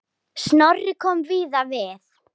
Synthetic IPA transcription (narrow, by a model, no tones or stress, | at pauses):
snɔrɪkʰɔmviːðaveːð